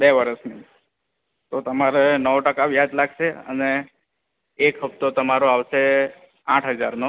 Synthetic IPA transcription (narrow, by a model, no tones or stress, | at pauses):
beʋəɾəʃni | t̪ot̪əmaɾenəʋʈəkaʋjad͡ʒlaɡʃeə̰neː | kɦəpt̪ot̪əmaɾoaʋʃe | ãʈʰɦəd͡ʒa̰ɾno